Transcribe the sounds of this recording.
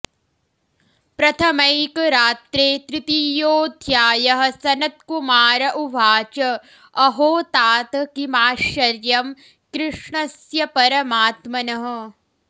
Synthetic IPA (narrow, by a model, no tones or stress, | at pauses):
pɾɐt̪ʰɐmɐjkɾaːt̪ɾeːt̪ɾɪt̪ijoːd̪ʱjaːjɐɦɐ̆sɐnɐt̪̚kumaːɾɐʔubʱaːt͡ʃɐ | ɐɦoːt̪aːt̪ɐkimaːʃɐɾjɐm | kɾɪʂɳɐsjɐpɐɾɐmaːt̪mɐnɐɦɐ̆